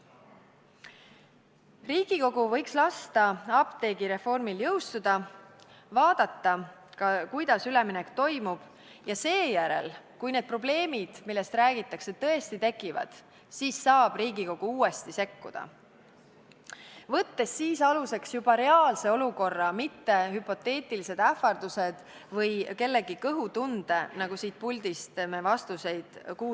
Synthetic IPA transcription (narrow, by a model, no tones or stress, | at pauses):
riːɡ̥iko̞ɡ̥uvɤ̞jkslɑst̪ɑɑpt̪e̞ːɡ̥iɾe̞fo̞rmiljɤ̞wst̪ud̪̥ɑ | vɑːd̪̥ɑt̪ːɑkɑkujd̪ɑsyleminɛkt̪o̞jmub̥ | jɑse̞ːjæɾe̞̰lkujned̪̚pro̞ble̞ːmid̪̥milːe̞st̪ɾæːɡit̪ːˑɑkse̞t̪ɤ̞e̞st̪it̪e̞kːˑivɑ̰d̪̥ | siːsːɑːb̥riːɡiko̞ɡ̥uuːe̞st̪ise̞kːṵd̪̥ɑ̰ | vɤ̞t̪ːe̞sːiːsɑluse̞ksjub̥ɑɾe̞ɑːlse̞o̞luko̞rːɑmit̪ːe̞ɦypo̞t̪ːe̞ːt̪ˑilise̞d̪æfɑrd̪̥use̞d̪̥ | vɤjke̞lːe̞ɡ̥ikɤɦut̪und̪̥enɑɡ̥usiːt̪̚pulʲd̪ist̪me̞vɑst̪use̞jd̪̥kuː